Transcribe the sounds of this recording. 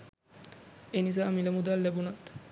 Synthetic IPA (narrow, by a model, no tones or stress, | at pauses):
enis̬aamilemud̪alːebunat̪